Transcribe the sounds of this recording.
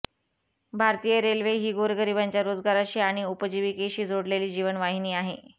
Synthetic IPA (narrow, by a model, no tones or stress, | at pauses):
bʱaɾt̪ijəɾelʋeɦiːɡoɾɡəɾibaɲt͡ɕjaɾod͡zɡaɾaɕiːaɽ̃iupəd͡ʑiʋikeɕiːd͡zʱoɽleliːd͡ʑiʋənʋaɦiniːaɦe